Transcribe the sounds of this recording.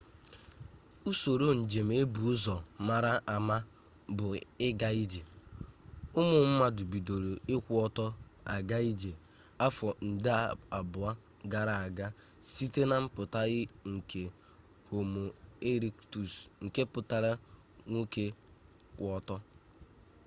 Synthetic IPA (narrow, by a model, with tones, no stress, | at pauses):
u˦so˨ɾo˦n̩˨d͡ʒe˨m̩e˦bu˨ʊ˦zɔ˨ma˦ɾa˦ʔa˨ma˦ | bʊ˨ɪ˦ɡa˦i˦d͡ʒe˨ | ʊ˦mʊ˨m̩˦ma˨dʊ˨bi˨do˨ɾo˨ɪ˦kʷu˦ɔ˦tɔ˦a̰˨ɡa˦i˦d͡ʒe˨ | a˦fɔ˨n̩˨dɪ˦a˨a˨bʊ˨a˦ | ɡa˨ɾa˨a˨ɡa˦ | si˦te˦na˦m̩˦pʊ˨ta˦ɣɪ˦ŋ̩˨kʰe˨ | ho˨mo˨e˦ɾi˦ktu˨sŋ̩˨ke˦pʊ˨ta˦ɾa˦ | ŋʷu˦ke˦ | kʷɔ˦tɔ˦